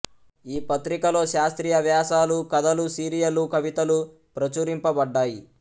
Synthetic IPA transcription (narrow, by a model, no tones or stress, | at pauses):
iːpɐt̪ɾikɐlo̞ːʃaːst̪ɾiːjɐʋjaːʃaːlukɐd̪ɐlusiːɾijɐlukɐʋit̪ɐlu | pɾɐt͡ʃuːɾimpɐbɐɖːaːji